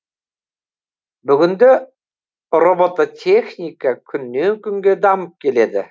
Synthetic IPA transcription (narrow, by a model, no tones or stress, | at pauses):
bɵ̆ɡɵ̆nd̪ø | robot̪at̪ʲʰexnʲikəkʰɵ̆nːeŋkɵŋɡed̪ɑmɤp̚kʲeled̪ɪ